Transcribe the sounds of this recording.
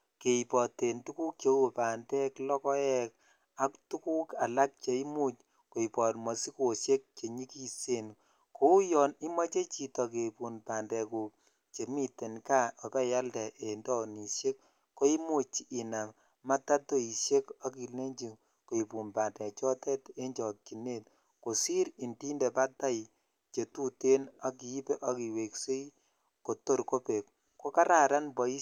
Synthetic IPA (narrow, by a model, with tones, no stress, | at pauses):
ke˨i˨pɔ˨te˨ntu˦ku˦k̚t͡ʃe˦o˦˨pa˨ndɛ˦klɔ˦kɔ˦ɛ˦k̚ | a˦ktu˦ku˦ka˨la˦k̚t͡ʃe˨i˦mu˦t͡ʃ | ko˨i˨pɔ˨tmɔ˨si˦ko˨se˦k̚t͡ʃe˨ɲi˦ki˦se˦˨n | ko˦u˦jɔ˨ni˦ma˦t͡ʃe˦t͡ʃi˨tɔ˨k̬e˨pu˨npa˨ndɛ˨ku˨ | t͡ʃe˨mi˦te˨nka˦ɔ˨pɛ˦ja˦ldɛ˨ʔe˨ndɔ˦ni˨ʃe˦kː | o˦i˦mo˨t͡ʃi˨ʔːna˨m | ma˦ta˦to˦i˨ʃe˦ka˦ki˨le˦ɲd͡ʒi˨ŋ | ko˨i˨pu˨npaː˨ndɛ˨t͡ʃɔ˦tɛ˦te˦ɲd͡ʒɔ˨t̚ki˨ne˦t̚ | ko˨si˦ɾi˨ndi˦nde˨pa˦ta˦j | t͡ʃe˨tu˦te˦na˦ki˨i˦pe˦ʔɔ˦ki˨we˨kse˦i | ko˨to˦ɾko˦pe˨k | ko˦ka˦ɾa˨ɾa˦nbɔ˨i˦